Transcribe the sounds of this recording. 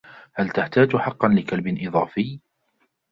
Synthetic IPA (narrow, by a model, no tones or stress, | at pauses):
halt̪aht̪aːd͡ʒħɑqːɑnlɪkalbɪnʔɨðˤɑːfɪj